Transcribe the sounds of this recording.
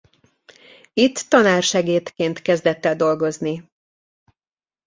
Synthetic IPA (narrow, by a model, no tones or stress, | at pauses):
it̪ːɒnaːrʃɛɡeːt̪keːnt̪kɛzd̪ɛt̪ːɛd̪o̞lɡo̞zni